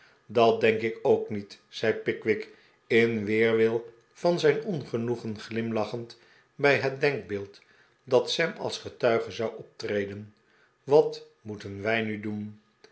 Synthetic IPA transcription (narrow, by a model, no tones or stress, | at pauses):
dɑt̚dɛŋkɪkowknitz̥ɛjpɪkʋɪk | ɪnʋɪːɹʋɪlˠ | v̥ɑnzɛjnɔnχənuχənχlɪmlɑχənt | bɛjɦət̚dɛŋk̚bɪːlˠt | dɑtsɛmɑ̰lˠsχətœɥχəzɑwʔɔp̚trejdən | ʋɑt | mutənʋɛjnydun